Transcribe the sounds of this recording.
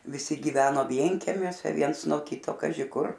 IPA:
ʋʲɪˈsʲɪ ɡʲɪˈʋʲæːnoː ˈʋʲiɛŋʲkʲɛmʲuɔsʲɛ ˈʋʲiɛns nuɔ ˈkʲiːtoː ˈkɑːʒʲɪ kʊr

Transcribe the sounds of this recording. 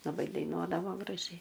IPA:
lˠɐˈbɐɪ dɐɪˈnuɔdɐʋoː ɡrɐˈʒʲɛɪ

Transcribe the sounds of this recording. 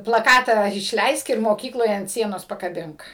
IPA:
plˠɐˈkɑːtɑː ɪʃʲˈlʲɛɪsk ɪr moːˈkʲiːklˠoːj ɐnt ˈsʲiɛnoːs pɐkɐˈbʲɪŋk

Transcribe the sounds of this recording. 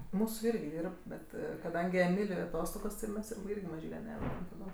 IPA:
ˈmuːsuː ˈɪrʲɡʲɪ ˈdʲiːrp ˈbʲɛt kɐˈdɐŋʲɡʲɪ ɛˈmʲɪlʲʊɪ ɐˈtoːstoːɡoːs tʲɪ ˈmʲɛs ˈɪrʲɡʲɪ mɐˈʒʲiːlʲɛ ˈnʲæːʋʲɛdɐm tɐˈdoːm

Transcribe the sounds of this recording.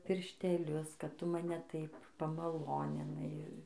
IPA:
pʲɪrʲʃʲtʲɛˈlʲʊs kɐt ˈtʊ mɐˈnʲɛ ˈtɐɪp pɐmɐˈlˠoːnʲɪnɐɪ

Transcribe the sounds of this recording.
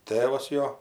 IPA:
ˈtʲeːʋɐs ˈjoː

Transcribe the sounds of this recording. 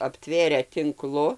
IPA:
ɐpʲˈtʲʋʲeːrʲæː tʲɪŋˈklˠʊ

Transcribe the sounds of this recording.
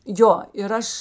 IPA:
ˈjoː ɪr ˈɐʃ

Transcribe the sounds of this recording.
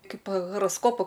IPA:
ˈkɐɪp ɣoːroːsˈkoːpʊ

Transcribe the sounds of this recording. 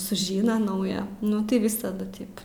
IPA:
sʊˈʒʲiːnɐ ˈnɐʊjɛ ˈnʊ tɐɪ ˈʋʲɪsɐdʊ ˈtʲɪp

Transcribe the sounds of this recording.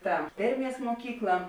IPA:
tɐ ˈdʲɛrʲˌmʲiɛs muɔˈkʲiːklˠɐ

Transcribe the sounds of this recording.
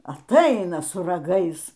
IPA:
ɐˈtɐɪnɐ sʊ rɐˈɡɐɪs

